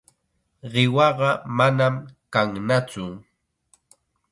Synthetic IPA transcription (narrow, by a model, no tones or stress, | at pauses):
ɢɪwɑɢɑmanamkaŋnat͡sʊ